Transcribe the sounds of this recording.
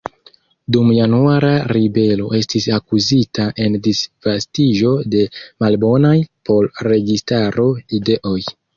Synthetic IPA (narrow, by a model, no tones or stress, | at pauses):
dumjanuaɾaɾibe̞lo̞ʔe̞stisakuzitaʔe̞ndisv̥astiʒo̞de̞malbo̞najpʰo̞lɾe̞ɡistaɾo̞ide̞ʔo̞j